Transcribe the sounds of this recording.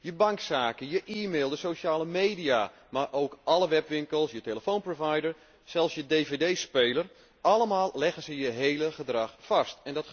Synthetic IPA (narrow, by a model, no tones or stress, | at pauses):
jəbaŋksaːkəjəʔiːmeːlˠdəsoʃaːləmeːdija | marʔoːkɑləʋɛpʋɪŋkəlˠsjəteləfoːnprovajdəɹ | sɛlˠfsjədeːvedeːspeːlər | ɑləmaːlˠlɛɣənzəjəɦejləχədrɑxfɑstɛndɔt